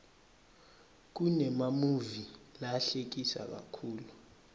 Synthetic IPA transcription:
k̬unɛmamuvilaɬek̬isa̰k̬ʼa̰kʰuːlu

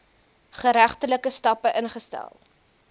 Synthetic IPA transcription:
χəɾæχtələkəstɐpəʔənχəstæ̰lˠ

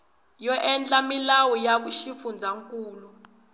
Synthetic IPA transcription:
jɔʔɛnt͡ɬʼamilawujaɓuʃifund͡zʱaŋkʼuːlu

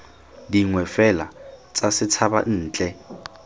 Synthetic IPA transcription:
diŋwɛfɛlat͡sʼasɪt͡sʰaba̰n̩ːt͡ɬʼɛ

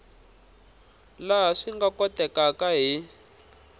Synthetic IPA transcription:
laɦaʂiŋɡakɔtɛkakaɦi

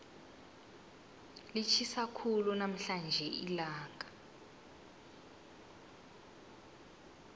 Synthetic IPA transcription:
lit͡ʃʰisakʰulunam̩ɬand͡ʒʱɛʔilaːŋɡʱa

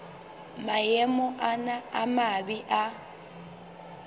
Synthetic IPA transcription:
majɛmɔʔanaamabiʔa

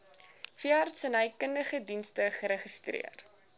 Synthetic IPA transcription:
fiəɦɐrtsənɦəjkəndəχədinstəχəɾəχəstrḭər

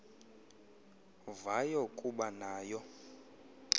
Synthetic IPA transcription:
vajɔkʼuɓanaːjɔ

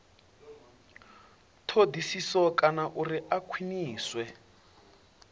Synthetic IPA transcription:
tʰodʱisisɔkanaʔuriʔakʰwiniːswɛ

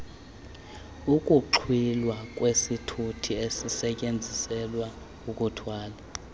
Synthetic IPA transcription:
ukʼuǃʰwilwakʼwesitʰutʰiesisɛcʼend͡zʱisɛlwa | ukʼutʰwaːla

